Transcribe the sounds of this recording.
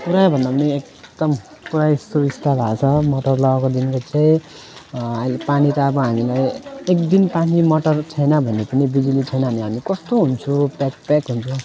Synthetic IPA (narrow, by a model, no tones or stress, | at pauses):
puɾajbʱʌnd̪apʌniek̚ | d̪̥ʌm | puɾajsubist̪abʱat͡sʰʌmʌʈʌrlʌɡʌkod̪inkot͡saĩ | ɦalpanit̪aːbʌɦamilajekd̪inpanimʌʈʌrt͡sʰʌjnʌbʱʌnːepʌnibid͡zulit͡sʰʌjnʌɦʌniɦamikʌst̪oɦunt͡sʰupak̚pakɦunt͡sʰu